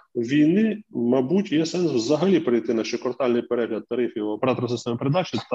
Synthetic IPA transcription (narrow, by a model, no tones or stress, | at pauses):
ʋʲijnɪmɐbutʲjɛsɛnswzɐɦɐlʲipɾɪjt̪ɪnɑʃt͡ʃɔkɔrt̪ɑlʲnɪjpeɾɛɦlʲɐt̪̚t̪ːɐɾɪfʲjiwpɾɑt̪ɾɐs̬ɪst̪ɛmɐpeɾed̪ɑt͡ʃɪt̪